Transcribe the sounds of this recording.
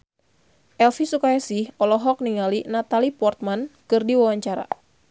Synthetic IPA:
ʔɛlfisukajasɪhɔlɔɦɔk̚niŋalinat̪alipɔrt̪̚mankɨrdiwawaɲt͡ʃaɾa̰

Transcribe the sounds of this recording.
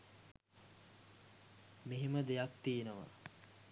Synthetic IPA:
meɦeməd̪ejak̚t̪inəʋa̰

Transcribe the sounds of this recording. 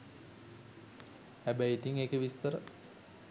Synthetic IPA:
hæbæjit̪iŋeːkəʋist̪əɾə

